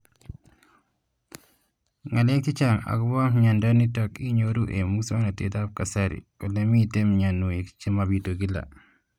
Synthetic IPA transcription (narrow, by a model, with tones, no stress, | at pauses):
ŋa˨le˦k̚ti˦t͡ʃa˨ŋa̰˨ku˦ba˦ɲa˨ndɔ˦ni˦tɔki˦ɲoɾu˦ʔe˨mu˦ksa˦na˨tḛ˦ta˦p̚ka˨saɾḭ˨kɔ˨le˨mi˦te˦mɲa˨nu˨e˨kt͡ʃi˦ma˨bi˨to˨ɡi˦la̰˨